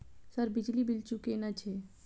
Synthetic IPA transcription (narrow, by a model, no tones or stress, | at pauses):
səɾbid͡ʒlibilt͡ʃukenat͡ʃʰe